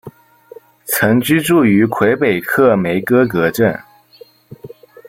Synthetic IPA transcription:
t͡sʰɤ˧˥ŋt͡ɕy˥ʈ͡ʂu˥˩y˧˥kʰwe˧˥ɪpe˨˩ɪkʰɤ˥˩me˧˥ɪkɤ˥kɤ˧˥ʈ͡ʂə˥˩n

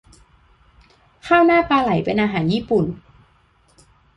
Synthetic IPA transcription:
kʰaː˥˩wnaː˥˩paː˧la˩˦jpe˧nʔaː˧ɦaː˩˦njiː˥˩pu˨˩n

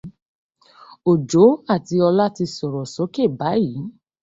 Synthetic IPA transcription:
o˨d͡ʒo˨˦a˦˨ti˧ɔ˧la˦ti˧sɔ˨ɾɔ˨so˨˦ke˦˨ba˨˦ji˨˦

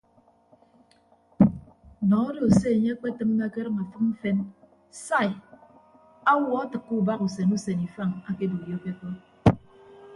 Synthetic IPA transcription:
nɔ˨˦do˨se˦e˨ɲe˦a˦k͡pe˦tɨ˦ŋ˦ɡa˦ke˦ɾɨ˦ŋa˨fɨ˦km̩˦fe˦n | sa˦˨i˨ | a˦wɔ˦a˦tɨ˨kːu˦˨ba˦ku˨se˨nu˦se˨ni˨fa˦˨ŋa˨ke˦bu˨jo˦ke˦kɔ˦

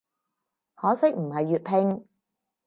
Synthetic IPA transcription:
hɔː˨˥sɪ˥k̚m̩˨˩hɐ˨jːyː˨t̚pʰɪ˧ŋ

